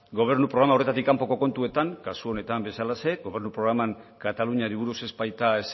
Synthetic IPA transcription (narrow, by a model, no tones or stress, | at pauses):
ɡo̞β̞e̞ɾnupɾoɾamaore̞t̪at̪̬ikːampo̞ko̞ko̞nt̪ue̞t̪aŋkasuo̞ne̞t̪ambe̞salase̞ɡo̞βe̞ɾnupɾo̞ɣɾamaŋkat̪aluɲaɾiβ̞uɾusezbajt̪aes